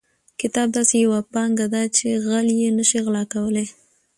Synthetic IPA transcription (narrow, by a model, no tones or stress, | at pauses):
kɪt̪ɑb̚d̪ɑsejawapɑŋɡad̪at͡ʃeɣaljenəʃiɣlɑkawəle